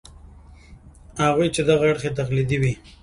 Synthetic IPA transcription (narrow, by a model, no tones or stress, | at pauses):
haɣujt͡ʃed̪aɣaaɽxet̪̬axlid̪iwi